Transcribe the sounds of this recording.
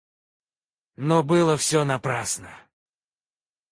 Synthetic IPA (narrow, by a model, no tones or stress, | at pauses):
nobɨlˠəfsʲonɐpɾasnə